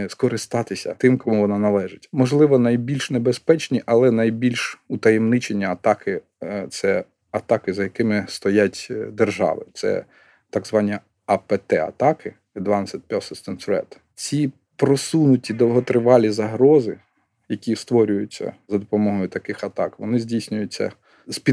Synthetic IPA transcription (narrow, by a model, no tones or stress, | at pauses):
skɔɾɪst̪ɑt̪ɪsʲɐ̰t̪ɪmkɔmuʋɔnɑnɐlˠɛʒɪtʲmɔʒlˠɪʋɔnɐjbʲilʲʃnebespɛt͡ʃnʲiʔɐlˠɛnɐjbʲilʲʃut̪ɐjemnɪt͡ʃenʲːiɐt̪ɑkɪ | t̪sɛ | ɐt̪ɑkɪzɐjɐkɪmɪst̪ɔjatʲd̪erʒɑ̰ʋɪ̰t̪sɛ̰ | t̪ɑɡzʋɑnʲi | ɐpɛt̪ɛɐ̰t̪ɑkɪ | ɛd̪ʋɑnɑsʲɐt̪̚ʲpʲɔsɔst̪ɛnsʊɛ̰t̪ | t͡sʲi | pɾɔsunʊtʲid̪ɔlˠɦɔt̪ɾɪʋɑlʲizɐɦɾɔzɪ | jɐkʲist̪ʋɔɾʲʊjʊt͡sʲːɐ̰zɐd̪ɔpɔmɔɦɔjʊt̪ɐkɪxɐt̪ɑkʋɔnɪzʲdʲijsʲnʲʊjʊt͡sʲːɐ̰ | spʲi